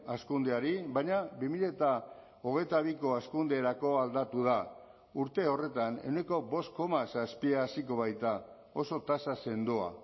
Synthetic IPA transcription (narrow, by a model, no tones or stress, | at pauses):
askund̪eaɾiβajɲaβimiʎet̪a | o̞ɣ̞e̞jt̪aβ̞iko̞askund̪eɾako̞ald̪at̪uða | uɾt̪e̞o̞re̞t̪ane̞ne̞ko̞βo̞st̪̚ko̞masaspiaːsiko̞β̞ajt̪a | o̞so̞t̪asase̞nd̪ua̰